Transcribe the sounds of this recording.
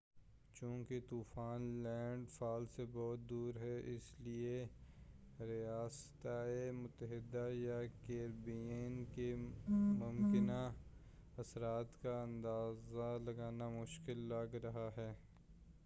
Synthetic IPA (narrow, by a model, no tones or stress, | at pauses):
t͡ʃũːket̪uːfaːnlɛ̃ːɳɖfaːlsebɔːt̪̚d̪uːɾɦɛʔɪslie | ɾijaːst̪aːemʊt̪əɦɪd̪ajakeːɾbienkemʊmkɪna | ɐsɾaːt̪kaɐ̃nd̪aːzalɐɡaːnamʊʃkɪlːaɡɾɐɦaɦɛː